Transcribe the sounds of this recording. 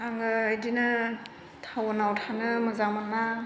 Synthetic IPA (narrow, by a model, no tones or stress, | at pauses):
aŋɯɯjdinɯ | tʰawɔnawtʰanɯmɯzamɯna